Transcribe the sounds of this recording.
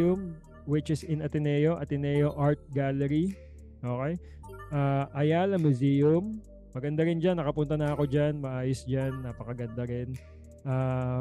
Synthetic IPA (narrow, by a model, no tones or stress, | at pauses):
ʊm | wɪt͡ʃɪsɪnɐt̪ɪnɛːjoʔɐt̪ɪnɛjoʔaɹt̪̚ɡalɛɾi | ʔo̞ːkɛj | ʔaːʔɐjalɐmʊzijɐmː | ɐɡɐnd̪aɾɪnd͡ʒanːɐkɐpʊnt̪ɐnɐɐko̞d͡ʒanmɐʔaːjosd͡ʒanːaːpɐkɐɡɐnd̪ɐɾɛn | ʔaː